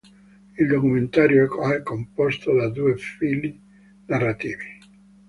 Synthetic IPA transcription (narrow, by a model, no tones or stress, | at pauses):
ild̪okument̪aːɾjoɛkɛkːompɔst̪od̪ad̪uːefili | narːat̪iːvi